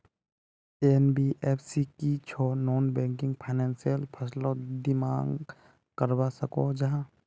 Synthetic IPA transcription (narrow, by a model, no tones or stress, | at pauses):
eːnbiʔeːpʰsikit͡ʃʰɔːnoːnbɛ̃ːŋkɪ̃ŋɡpʰaɪneːnsijəlpʰəslod̪ɪmaːŋɡ | kəɾbasəkod͡ʒəɦã